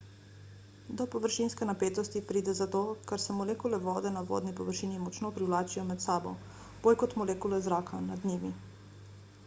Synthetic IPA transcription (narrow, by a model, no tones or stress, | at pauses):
d̪ɔpɔʋəɾʃinskɛnapeːt̪ɔst̪ipɾiːd̪ɛzat̪oːkaɾsɛmɔleːkulɛʋɔːd̪ɛnaʋɔ̰ːd̪nipɔʋəɾʃiːnimɔt͡ʃnɔpɾiwlaːt͡ʃijɔmɛt̪saːbɔ̰ | b̥oːlʲkɔt̪mɔlekulɛzɾaːkʰanad̪niːʋi